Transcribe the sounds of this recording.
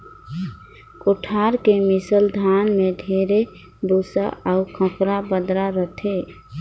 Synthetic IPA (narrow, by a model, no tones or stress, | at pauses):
koʈʰaɾkemisəld̪ʱanmeɖʱeɾe | bosa̰aʊkʰə̃pɾabəd̪ɾaɾəʈʰe